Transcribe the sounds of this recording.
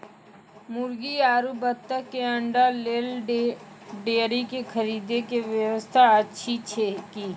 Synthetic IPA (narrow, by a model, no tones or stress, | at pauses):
mʊɾɡiaːɾubət̪ːəkːeə̃ɳɖaleːl | ɖeːɾikekʰəɾiːd̪ekeʋjəʋəst̪ʰaətːʃʰit͡ʃʰekiː